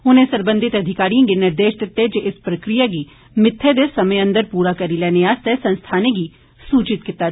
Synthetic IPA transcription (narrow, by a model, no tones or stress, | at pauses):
ʊnẽsəɾbə̃nd̪ɪt̪ɐd̪ʱɪkaːɾijãːɡenɪɾd̪eːʃdɪt̪ːed͡ʒeʔɪspɾəkɾijaɡiː | mɪt̪ʰːed̪esɐməə̃nd̪əɾpuːɾakəɾilɛːneaːst̪ɛsə̃nst̪ʰaːneɡiː | suːt͡ʃɪt̪kɪt̪ːaː